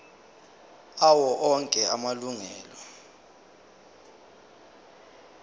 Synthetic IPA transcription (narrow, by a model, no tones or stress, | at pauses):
awɔʔɔŋkʼɛamaluŋɛːlɔ